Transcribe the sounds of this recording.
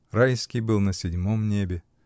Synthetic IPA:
rajskʲijbɨlˠnəsʲɪdʲmomnʲebʲɪ

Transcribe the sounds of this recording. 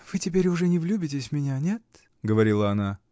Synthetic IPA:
v̥ɨtʲɪpʲeɾʲʊʐɛnʲɪvlʲubʲɪt̬ʲɪsʲmʲɪnʲanʲet̪ | ɡəvɐɾʲilˠəɐna

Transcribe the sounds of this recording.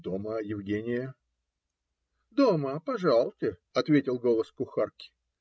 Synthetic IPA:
d̪oməjɪvɡʲenʲɪjə | d̪oməpɐʐɑlˠt̪ʲɪɐt̪vʲetʲɪlˠɡo̞lˠəskʊxarkʲɪ̥

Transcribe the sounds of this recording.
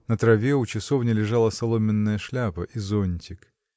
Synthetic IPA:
nət̪ɾɐvʲeʊt͡ɕɪsovnʲɪlʲɪʐalˠəsɐlˠomʲɪnːəjəʂlʲapəʔizonʲtʲɪk

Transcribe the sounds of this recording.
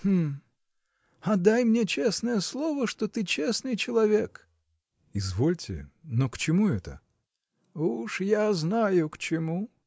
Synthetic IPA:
hm̩ | ɐd̪ajmnʲet͡ɕesnəjəslˠovəʂt̪ot̪ɨt͡ɕesnɨjt͡ɕɪlˠɐvʲek | ɪzvolʲtʲɪ̰nokt͡ɕɪmuɛt̪ə̰ | uʂjaznajʊkt͡ɕɪmu

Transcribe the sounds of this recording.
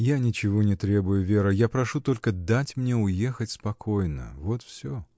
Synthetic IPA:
janʲɪt͡ɕɪvonʲɪt̪ɾʲe̞bʊjʊvʲe̞ɾəjapɾɐʂut̪o̞lʲkəd̪atʲmnʲeʊjexətʲspɐkʰo̞jnə̰vo̞t̪fsʲo

